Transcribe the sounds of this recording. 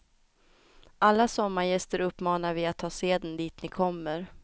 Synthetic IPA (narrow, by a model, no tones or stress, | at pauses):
ʔalːasɔmːaɾjɛst̪əɾɵpːmɑːnaɾvɪat̪ʰːɑːseːd̪ənd̪iːt̪nɪkʰɔmːəɾ